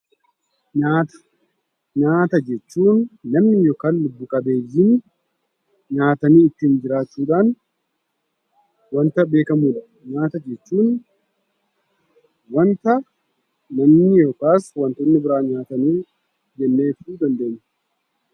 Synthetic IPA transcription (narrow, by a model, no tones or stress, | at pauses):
ɲaːt̪ɐ̥ | ɲaːt̪ɐd͡ʒɛt͡ʃːuːnːɐmnɪjoːkaːnlʊbːʊkʼɐbe̞ːjːin | ɲaːt̪ɐniːɪt̪ːɪnd͡ʒɪɾaːt͡ʃːuːᶑaːn | wɐnt̪ɐbe̞ːkɐmuːᶑɐ | ɲaːt̪ɐd͡ʒɛt͡ʃːuːn | wɐnt̪ɐ | nɐmnɪjoːkaːswɐnt̪ɔnːɪbɪɾaːɲaːt̪ɐniː | d͡ʒɛnːe̞ːt̪uːd̪ɐnd̪eɲːɛ̥